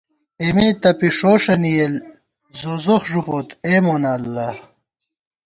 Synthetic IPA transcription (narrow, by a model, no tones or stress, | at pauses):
emet̪ɐpiʂoːʂɐnijel | zoːzoxʐupoːt̪eːmoːnalːɐ